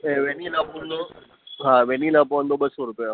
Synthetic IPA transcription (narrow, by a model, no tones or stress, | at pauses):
eʋɛnilapund̪o | ɦãʋɛnilapoənd̪obəsoɾupja